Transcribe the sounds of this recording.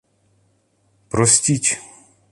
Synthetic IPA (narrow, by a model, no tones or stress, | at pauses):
pɾɔsʲtʲitʲ